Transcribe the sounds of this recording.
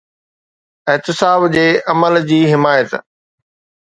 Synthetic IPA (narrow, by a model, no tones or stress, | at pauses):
ɪɦt̪ɪsaːbd͡ʑeːʔɐməld͡ʑiːɦɪmaːjət̪